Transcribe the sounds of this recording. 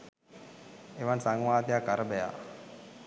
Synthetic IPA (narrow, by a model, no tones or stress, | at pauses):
eʋansaŋʋaːt̪ejakːaɾəbɛja̰